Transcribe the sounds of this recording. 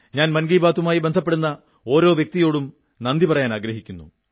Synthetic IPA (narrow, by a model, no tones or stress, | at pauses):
ɲaːnmɐnɡiːbaːt̪ːumaːjibe̞nd̪ʱɐp̬ːe̞ɽunːɐ | o̞ːɾo̞ːʋjek̚t̪ijoːɽum | nɐnd̪ipɐrɐjaːnaːɡɾɐɦikʲːunːṵ